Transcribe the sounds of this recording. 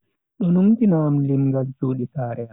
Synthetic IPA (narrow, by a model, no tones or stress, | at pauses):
ɗɔnumtinaːmlimɡald͡ʒuːɗisaːɾɛa